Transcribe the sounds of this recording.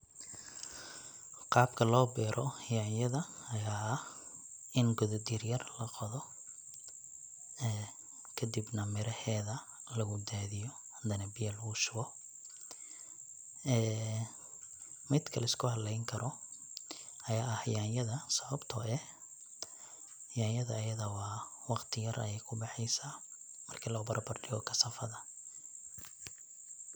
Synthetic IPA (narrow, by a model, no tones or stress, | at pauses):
qɑːb̚kʰɐlɔːbɛːɾʔɔhɪjaːnjɐðɐɐjaːɐh | ɪnɡɔðɔd̪irjɐrlɐqɔðɔ | ɛː | kʰɐd̪ɪbnɐmɪɾɐhɛːðɐ | lɐɣʊd̪aːðɪjɔ | d̪ɐnɐbɪjɐlɐɣʊʃʊɣɔ | ʔɛː | mɪd̪kʰɐlɐɪskʰʊhɐlɛjŋkʰɐɾɔ | ʔɐjaːɐhjaːnjɐðɐsɐβɐbt̪ʰɔʔɛ | jaːjɐðɐːjɐðɐwɑːwɑqt̪ʰɪjɐrʔɐ̰jɛjkʰʊbɑħɛjsaː | mɐrkʰilɐɣʊbɐɾbɐrɖɪɣɔ̰kʰɐsɐfɐðɐ